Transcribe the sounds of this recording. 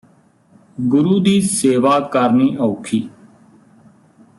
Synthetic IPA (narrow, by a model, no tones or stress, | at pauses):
ɡʊɾuːd̪iːseːʋaːkəɾniːʔoːkʰiː